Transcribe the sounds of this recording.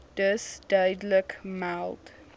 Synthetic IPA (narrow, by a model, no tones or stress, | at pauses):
d̥əsdaːdləkmalt